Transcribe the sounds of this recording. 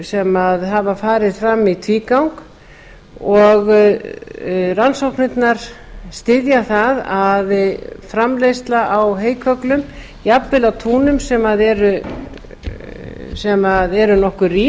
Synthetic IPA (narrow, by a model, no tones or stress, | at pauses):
sɛmaðɦavafaːɾɪðfɾamːit̪ʰviːkawŋk | ɔɣ | ransowhknɪt̪naɾ̥ | st̪ɪðjaθaðaðfɾamlejst̪laʔawɦeːjkʰœklʏm | iapvɪlawt̪ʰuːnʏmsɛmaðɛɾʏ | sɛmaðɛɾʏnɔhkʏriː